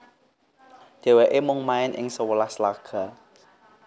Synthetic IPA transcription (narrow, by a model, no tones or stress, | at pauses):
d̪̥e̤weʔemʊŋmaɪnʔɪ̰ŋsəwəlaslaɡ̥a